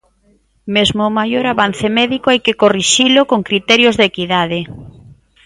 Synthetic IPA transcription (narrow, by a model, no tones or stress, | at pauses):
mezmomajoɾaβanθɪmɛðikoajkekoriʃilʊkoŋkɾit̪ɛɾjozðekiðað̞e